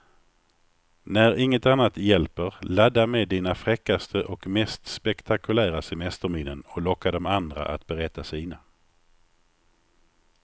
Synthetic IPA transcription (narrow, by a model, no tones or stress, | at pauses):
næɾɪŋːət̪anːat̪jɛlpəɾlad̪ːameːd̪iːnafɾɛkːast̪ʰəʔɔkmɛst̪spɛkt̪ʰakɵlæːɾasɛmɛst̪əɾmɪnːənɔlɔkːad̪ɔmand̪ɾa̰ʔa̰t̪̚bɛɾɛt̪ːasiːna